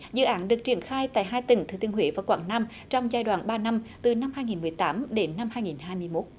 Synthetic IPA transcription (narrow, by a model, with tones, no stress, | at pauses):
zɨ̰˧˨ʔaː˨˦nɗɨ˨˩ək̚t͡ɕi˧˩ənxaː˧jt̪a̰ː˧˨jɦaː˧jt̪ï˧˩ŋ̟t̪ɨ˨˧˩t̪i˧əŋhwḛː˧˨˦vaː˨˩kwa̰ː˧˩ŋnaː˧m | t͡ɕɔ˧wŋ͡mzaː˧jɗwa̰ː˧˩˨nɓaː˧na˧mt̪ɨ˨˩na˧mhaː˧jŋi˨˩nmɨ˨˩əjt̪aː˨˦mɗe˨˦nːa˧mhaː˧jŋi˨˩nhaː˧jmɨ˧əjmo˦˥t̚